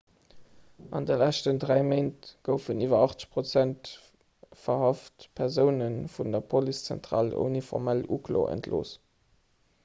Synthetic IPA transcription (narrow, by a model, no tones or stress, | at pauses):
ʔɑ̰ndəlæʃtəndʁæɪmeɪntɡ̥əʊfəniːvɐɑχt͡sə̥ɕpʁot͡sænt | fɐhɑftpʰæʁzəʊnənfundɐpʰolist͡sæ̰ntʁ̥ɑ̰ːlṵnifɔ̰ʁmæluklo̰ʔə̰ntʰlo̰ːs